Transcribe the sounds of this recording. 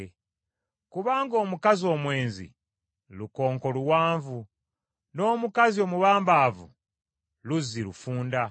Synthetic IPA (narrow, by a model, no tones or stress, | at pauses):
kuβaːŋɡo̞ːmukazio̞ːmwe̞ːnzḭ | luko̞ːŋko̞luwaːɱvu | no̞ːmukazio̞ːmuβaːmbaːvṵ | luzilufuːnda